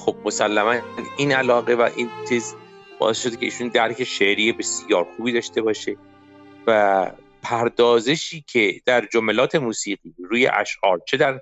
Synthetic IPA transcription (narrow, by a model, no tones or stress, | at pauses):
xob̚mo̞sælːæmæniːnælɒːɣe̞væ̰ʔint̪ʰez | bɒ̰ːʔesʃo̞d̪ecʰe̞ʔiːʃuːnd̪æɾkʰe̞ʃeʔɾiːjebe̞sjɒːɾxuːbiːd̪ɒːʃt̪e̞bɒːʃe | væ | pʰæɾd̪ɒːze̞ʃiːcʰe̞d̪̥æɾd͡ʒomelɒːt̪ʰe̞muːsiːɢiːɾuːje̞̰ʔæ̰ʃʔɒːɾt͡ʃʰe̞d̪æɾ